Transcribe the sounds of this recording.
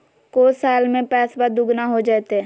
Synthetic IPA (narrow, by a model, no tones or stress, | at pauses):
koːsaːlmẽpɛːsbad̪ʊɡnaɦod͡ʒaːt̪ɛ